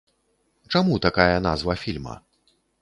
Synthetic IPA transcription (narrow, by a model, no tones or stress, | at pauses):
t͡ʂamut̪akajɐna̰zvɐfʲilʲmɐ̰